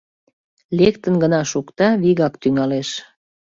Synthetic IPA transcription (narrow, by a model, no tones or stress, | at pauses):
lekt̪ənɡənɑʃukt̪ɑβiɣɑkt̪yŋɑleʃ